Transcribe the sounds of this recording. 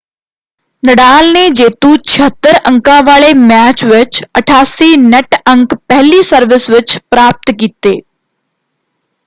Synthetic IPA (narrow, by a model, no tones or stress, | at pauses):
nəɽaːlned͡ʒeːt̪ũt͡ʃʰiɦət̪ːəɾə̃ŋkãʋaːɭemæːt͡ʃʋɪt͡ʃəʈʰaːsineʈə̃ŋkpɛɦlisəɾʋɪsʋɪt͡ʃpɾaːp̚t̪kit̪eː